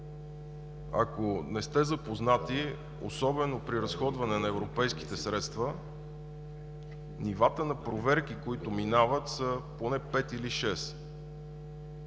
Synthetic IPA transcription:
ɐ̰konɛst̪ɛzɐpoznat̪i | o̰sɔbɛnopɾiɾɐsxɔd̪vɐnɛnɐɛvɾopɛjski̥t̪ɛsɾɛt̪st̪və | nivat̪ənɐpɾovɛɾk̟ikoit̪ʊminavət̪səponɛpɛt̪iliʃɛs

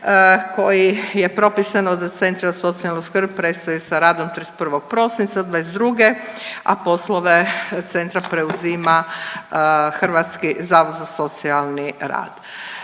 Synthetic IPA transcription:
ko̞jije̞pɾo̞pisanod̪at̪se̞nt̪ɾiaso̞t̪sialnoskr̩bpɾet̪st̪ajusaɾaːd̪o̞mt̪ɾispr̩ʋo̞ɡ̚pɾo̞sint̪sad̪ʋaezd̪ɾuɡea̰po̞slˠoʋe̞t̪se̞nt̪ɾapɾe̞uzima | xr̩ʋat̪skizaːʋod̪zaso̞t̪sialniɾa̰ːd̪̥

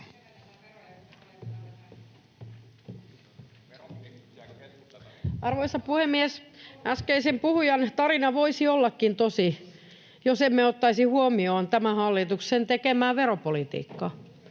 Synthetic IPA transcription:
ɑrʋoisɑpuhemːiesæskeisempuhujɑnt̪ɑrinɑʋoisiolːɑkːint̪osi | josemːeot̪ːɑisihuomioːnt̪æmæhɑlːit̪uksent̪ekemæːʋeɾopolit̪ḭːkːɑ

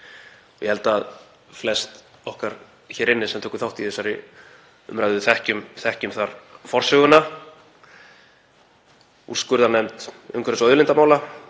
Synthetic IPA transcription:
ɔjɛhɛlt̪aað | flɛst̪ɔhkaɾ̥ | çɛːɾɪnːɪsɛmt̪ʰɛːkʏ̥θawht̪iθɛsːaɾɪ | ʏmɾajðʏθɛhcʏmθɛhcʏmθaɾ̥fɔr̥sʏɣʏnːa | ṵr̥skʏɾðanɛmt̪ʏ̰ŋkʰʏɾʏsœːðʏlɪnt̪amaːwla

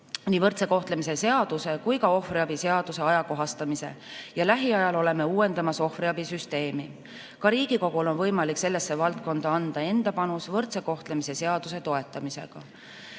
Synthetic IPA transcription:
niːvɤrt̪se̞ko̞ht̪le̞mise̞se̞ɑd̪̥use̞kujkɑo̞friɑbise̞ɑd̪̥use̞ɑjɑko̞ɦɑst̪ɑmise̞̰jɑlæɦiɑjɑlo̞le̞me̞uːe̞nd̪̥ɑmɑso̞hfriɑbisyst̪e̞ːmi | kɑɾiːɡ̥iko̞ɡ̥ulo̞nvɤjmɑlikse̞lːe̞sːevɑlt̪̚ko̞nd̪̥ɑɑnd̪̥ɑe̞nd̪̥ɑpɑnusvɤrt̪se̞ko̞ht̪lemise̞se̞ɑd̪̥use̞t̪o̞e̞t̪ːˑɑmise̞̰ɡ̥ɑ̰

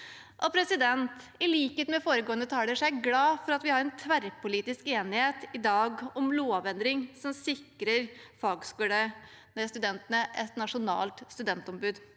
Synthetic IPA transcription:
ʔɔpʰɾɛsɪd̪ɛnt̪ | ɪliːkət̪mɛfoːɾəɡoːənət̪ʰɑːləʂæɡlɑːfɔɾɑt̪ʋɪhɑɾɛnt̪ʰʋæɾpʊliːt̪ɪskeːnɪheːt̪ɪd̪ɑːɡɔmloːʋɛnd̪ɾɪŋsɔmsɪkɾəɾfɑːɡskʉːlə | nɛst̪ʉd̪ɛnt̪ənəʔɛt̪nɑʂʊnɑ̰ːlt̪st̪ʉd̪ɛnt̪ɔmbʉːd̪

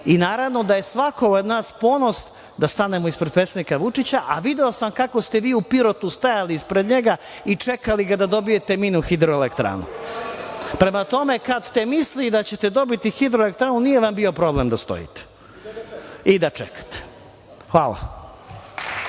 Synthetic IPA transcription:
inaːɾaʋno̞d̪aje̞sʋako̞od̪naːspo̞no̞s | d̪ast̪ane̞moispɾed̪pɾet̪sed̪ikaʋut͡ʂit͡ɕaʔaʋid̪eosamkako̞st̪e̞ʋiːupiɾo̞t̪ust̪ajaliispɾed̪ɲe̞ɡa | it͡ʂekaliɡad̪ad̪o̞bije̞t̪e̞minuxid̪ɾoelekt̪ɾa̰nṵ | pɾe̞mat̪o̞me̞kad̪st̪emislid̪at͡ɕe̞t̪e̞d̪o̞bit̪ixid̪ɾoelek̚t̪ɾaːnunije̞ʋambio̞pɾo̞blemd̪ast̪o̰jḭt̪e̥ | id̪at͡ʂḛkḁt̪e̥ | xʋa̰ːlˠa̰

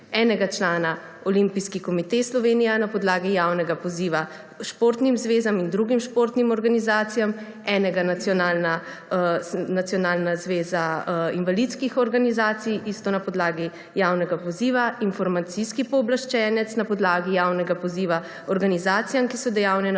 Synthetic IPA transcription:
ɛːnɛɡat͡ʃlaːna | ɔlimpiskikɔmit̪eslɔʋeːnijanapɔd̪laːɡijawnɛɡapɔziːʋa | ʃpoɾt̪nimzʋeːzamind̪ɾuɡimʃpoːɾt̪nimɔɾɡanizaːt̪sijam | ɛnɛɡanat̪sjɔnaːlna | nat̪sjɔnaːlnazʋeːzainʋalit̪skixɔɾɡanizaːt̪sijʔist̪onapɔd̪laːɡi | jawnɛɡapɔziːʋainfɔɾmat̪siskipɔːblaʃt͡ʃɛːnɛt̪snapɔd̪laːɡijaːwnɛɡapɔziːʋa | ɔɾɡanizaːt̪sijamkisɔd̪ɛjawnɛn

